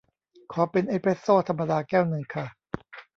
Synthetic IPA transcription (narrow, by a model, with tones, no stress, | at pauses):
kʰɔː˩˦pe˧nʔe˦˥pʰe˦˥sːoː˥˩t̪ʰa˧mːa˧daː˧kɛː˥˩wnɯ˨˩ŋkʰa˥˩